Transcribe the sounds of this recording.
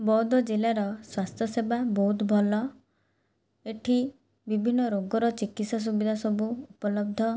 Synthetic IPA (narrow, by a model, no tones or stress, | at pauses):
bɔd̪ɔd͡ʒilaɾɔswast̪ʰjɔsebabɔɦut̪bʱɔlɔ | eʈʰi | bibʱinːɔɾoɡɔɾɔt͡ʃikit̪sɔs̬ubid̪ʱasɔbuupɔlɔb̚d̪ʱɔ